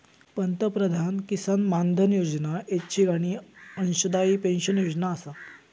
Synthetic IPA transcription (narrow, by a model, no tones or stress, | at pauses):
pənt̪əpɾəd̪ʱankisanmand̪ʱənjod͡ʑnaett͡ɕʰiːɡaɽ̃iːənɕud̪aiːpẽnɕənjod͡ʑnaːsa